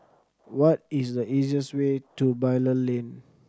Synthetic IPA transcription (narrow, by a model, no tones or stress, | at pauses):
wɔt̚isdəʔiziəswetubaɪləlẽn